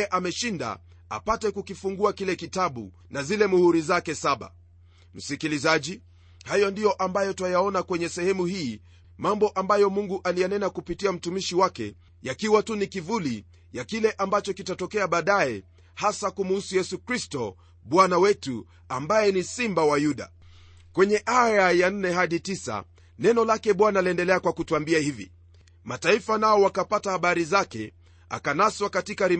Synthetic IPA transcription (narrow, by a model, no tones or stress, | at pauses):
ɛʔamɛʃinda̰ | a̰patɛkukifuŋɡuakilɛkitaɓṵ | nazilɛmuhuɾizakɛsaɓa̰ | m̩sikilizaʄi | hajɔndijɔʔambajɔtwajaɔnakwɛɲɛsɛhɛmuhiː | mambɔʔambajɔmuŋɡuʔalijanɛnakupitiam̩tumiʃiwakɛ̰ | jakiwatunikivuli | jakilɛʔambat͡ʃɔkitatɔkɛaɓaːɗaɛ | hasakumuhusujɛsukɾistɔ | ɓwanawɛtu | ambajɛnisimbawajuɗa̰ | kwɛɲɛʔajajan̩nɛɦaɗitisa̰ | nɛnɔlakɛɓwanaliɛndɛlɛakwakutuambiahivḭ | mataifanaɔwakapatahaɓaɾizakɛ̰ | a̰kanaswakatikaɾi